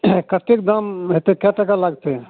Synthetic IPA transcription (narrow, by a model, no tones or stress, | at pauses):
kət̪ek̚d̪amɦet̪ekɛʈakalaɡt̪e